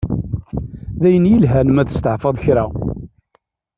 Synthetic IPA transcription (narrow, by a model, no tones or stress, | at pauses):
ðæjənjəlɦænmæθə̥st̪əʕfɑðˤçɾæ